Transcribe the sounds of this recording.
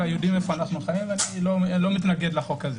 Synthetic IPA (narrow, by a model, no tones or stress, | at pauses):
ajodimefo̞anaχnuχajivanilolo̞mit̪naɡe̞dlaχo̞kaze